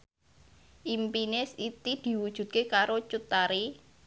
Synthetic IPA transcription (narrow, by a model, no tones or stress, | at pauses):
ʔimpinɪsit̪id̪̥i̤wud̥ʒ̥ṳt̪̚kekaɾot͡ʃut̪aɾi